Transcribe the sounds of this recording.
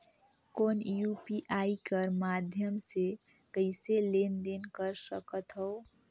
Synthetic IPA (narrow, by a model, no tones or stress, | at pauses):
koːnjupiʔaikəɾmad̪ʱjəmse | kəɪselend̪enkəɾsəkət̪ɦəo